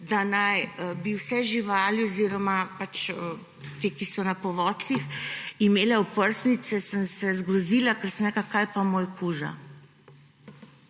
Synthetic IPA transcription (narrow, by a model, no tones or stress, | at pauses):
d̪anajbiwsɛʒiʋaːliɔziɾɔmapat͡ʃə | t̪eːkisɔnapɔʋɔːsiximeːlɛɔpəɾsnit̪sɛsənsɛzɡɾɔziːlakɛɾsəmɾɛklakajpamoːjkuːʒa̰